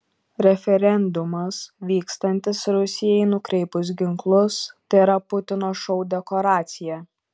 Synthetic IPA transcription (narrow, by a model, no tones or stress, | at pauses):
ɾʲɛfʲɛɾʲɛnd̪ʊmɐsʋʲiːkst̪ɐnʲt̪ʲɪsɾʊsʲɪjɛɪnʊkɾʲɛɪpʊs̬ɡʲɪŋklˠʊst̪ɪɾɐpʊt̪ʲɪnoːʃɔʊd̪ʲɛkoːɾɑːt̪sʲɪjɛ